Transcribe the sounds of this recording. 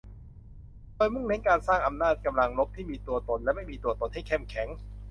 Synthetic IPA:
doː˧jmɯ˥˩ŋne˦˥nkaː˧nsaː˥˩ŋʔa˧mnaː˥˩t̪̚ka˧mla˧ŋlo˦˥p̚t̪ʰiː˥˩miː˧t̪u˧ɐt̪o˧nlɛ˦˥ma˥˩jmiː˧t̪u˧ɐt̪o˧nha˥˩jkʰɛ˥˩mkʰɛ˩˦ŋ

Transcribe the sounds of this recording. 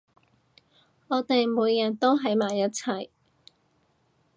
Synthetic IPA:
ɔː˨˧t̪e˨jmuː˨˧jːɐ˨˩nt̪o˥wɦɐ˨˥jmaː˨˩jːɐ˥t̚t͡sʰɐ˨˩j

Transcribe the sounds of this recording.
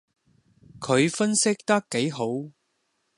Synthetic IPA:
kʰɵ˨˧ɥfɐ˥nsɪ˥k̚t̪ɐ˥kːe˨˥jɦo˨˥w

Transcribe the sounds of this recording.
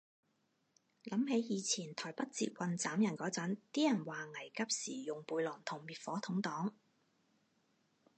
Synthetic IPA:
lɐ˨˥mɦe˨˥jjiː˨˧t͡sʰiː˨˩nt̪ʰɔː˨˩jpɐ˥t̚t͡sḭ˧t̚wɐ˨nt͡saː˨˥mjɐ˨˩nkɔː˨˥t͡sɐ˨˥nt̪iː˥jɐ˨˩nwaː˨ŋɐ˨˩jkɐ˥p̚siː˨˩jʊ˨ŋpuː˧jlɔː˨˩nt̪ʰʊ˨˩ŋmiː˨t̚fɔː˨˥t̪ʰʊ˨˥ŋt̪ɔː˨˥ŋ

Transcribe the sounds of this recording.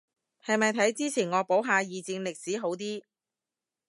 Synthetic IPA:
hɐ˨jmɐ˨jt̪ʰɐ˨˥jt͡siː˥t͡sʰiː˨˩nŋɔː˨˧po˨˥wɦaː˨˧jiː˨t͡si˧ŋlɪ˨k̚siː˨˥ɦo˨˧˥wt̪̬iː˥

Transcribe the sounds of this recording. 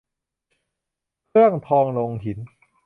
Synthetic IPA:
kʰɯ˥˩əŋt̪ʰɔː˧ŋlo˧ŋɦi˩˦n

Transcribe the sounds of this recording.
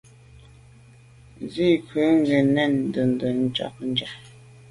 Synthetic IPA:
zi˦˨kʰʉ˨˦ŋ˦ɡe˨nɛ˦˨n˨də˨n̩˨də˨n̩˦t͡ʃɔ̰˦˨k̚n̩˦d͡ʒa˨

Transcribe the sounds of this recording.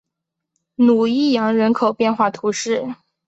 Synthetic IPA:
nu˨˩i˥˩jɑ˧˥ŋɻə˧˥nkʰo˨˩ʊpjɛ˥˧nxwa˥˩t̪ʰu˧˥ʂɻ̩˥˩

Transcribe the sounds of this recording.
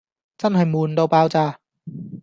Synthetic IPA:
t͡ɕa˥˩nɦa˨˩jmuː˨˩ndo˧wpaː˧wt͡ɕaː˧˩

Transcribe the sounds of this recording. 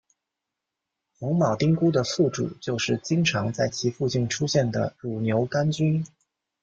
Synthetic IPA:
xʊ˧˥ŋmɑ˨˩ʊt̪i˥ŋku˥d̪ə˨fu˥˩ʈ͡ʂṵ˨˩t͡ɕjo˥˧ʊʂɻ̩˥˩t͡ɕi˥ŋʈ͡ʂʰɑ˧˥ŋt͡sa˥˩ɪt͡ɕʰi˧˥fu˥˧t͡ɕi˥˩nʈ͡ʂʰu˥ɕjɛ˥˩nd̪ə˩ɻu˨˩njo˧˥ʊka˥nt͡ɕy˥n

